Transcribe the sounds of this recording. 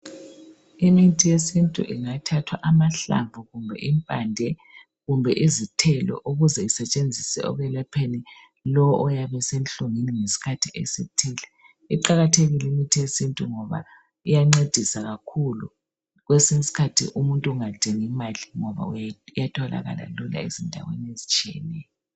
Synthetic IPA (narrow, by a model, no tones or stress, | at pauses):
imitʼʰijesintʼṵʔiŋatʰatʰwa̰ʔamaɬa̰ɱvʱuɣumbʱɛ̰ʔimpʼandʱɛ | ɣumbʱɛʔizitʰɛlɔ̰ʔuɣuzɛisɛt͡ʃʼend͡zʱisɛ̰ɔ̰ɣɛlɛpʰeni | lɔwɔʔɔjaβɛsɛnɬoŋiniŋesi̥kʰatʰiḛsitʰiːlɛ | iǃaɣatʰeɣilimitʰesintʼuŋɔβa̰ | ijaŋ͡ǀed̥ʱisaɣakʰulṵ | ɣwesiŋsi̥kʰatʰḭʔumuntʼuuŋad̥ʱɛŋimaliŋɔβa̰ujjatʰɔla̰ɣa̰la̰lula̰izindʱa̰wḛnezit͡ʃʼiɛ̰nɛːjɔ